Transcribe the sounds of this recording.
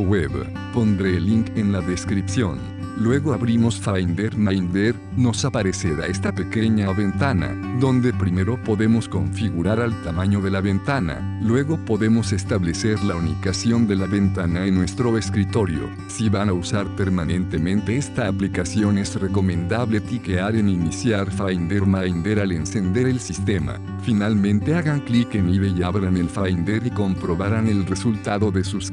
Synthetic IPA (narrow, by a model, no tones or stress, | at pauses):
weβ | po̞nd̪ɾeliŋkenlaðe̞skɾipsjo̞̰n | lwe̞ɣoaβɾimo̞sfajnd̪eɾmajnd̪eɾ | no̞sapaɾe̞seɾa̰est̪apeke̞ɲaβe̞nt̪ana̰ | ðo̞nd̪e̞pɾime̞ɾo̞po̞ðe̞mo̞sko̞ɱfiɣuɾaɾalt̪amãɲo̞ðe̞laβe̞nt̪ana̰lwe̞ɣo̞po̞ðe̞mo̞se̞st̪aβle̞seɾlaunikasjo̞nd̪e̞laβe̞nt̪anaenːwe̞st̪ɾo̞eskɾit̪o̞ɾjo̰ | siβanausaɾpe̞ɾmanẽ̞nt̪e̞mẽ̞nt̪eest̪aːplikasjo̞ne̞zre̞ko̞mẽ̞nd̪aβle̞p̪ikeaɾeninisjaɾfajnd̪eɾmajnd̪e̞ɾalensend̪eɾelsist̪e̞ma̰ | finalmẽnt̪e̞aɣaŋklikeniβe̞ʝaβɾane̞lfajnd̪eɾiko̞mpɾo̞βaɾane̞lre̞sult̪aðo̞ðe̞sus